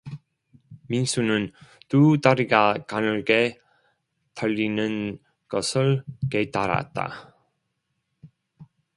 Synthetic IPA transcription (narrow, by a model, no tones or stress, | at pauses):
mins͈unɯntutaɾiɡakanɯɭɡe̞ | tʰaʎːinɯn | ɡʌsʰɯɭke̞taɾa̰t̚t͈a̰